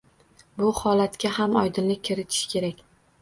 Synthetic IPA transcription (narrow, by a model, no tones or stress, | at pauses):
bʊhɒlat̪kʲaɦamɒjd̪ɪnlɪk̚ʲkʲʰːɪɾɪt̪ʰɪ̥ʃkʲʰe̞ɾakʲ